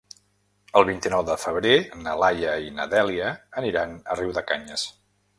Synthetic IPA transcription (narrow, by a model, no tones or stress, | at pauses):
əlˠβint̪inɔwðəfəβ̞ɾenəlajəinə̰ðɛliəːniɾanəriwðəkaɲəs